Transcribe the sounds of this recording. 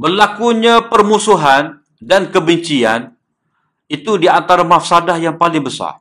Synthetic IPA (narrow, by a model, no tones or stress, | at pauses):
bərlakuɲãpərmusuɦan | dankəbəɲt͡ʃian | it̪udiant̪aɾamafsadahjaŋpalɪŋbəsa̰r